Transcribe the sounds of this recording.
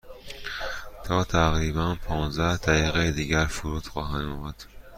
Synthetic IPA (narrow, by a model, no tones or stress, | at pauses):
t̪ʰɒːt̪ʰæɣɾiːbænpʰɒːnzd̪æhd̪̥æiːɣejed̪iːɟæɾfuɾuːt̪xɒːɦænɒːmæd̪̥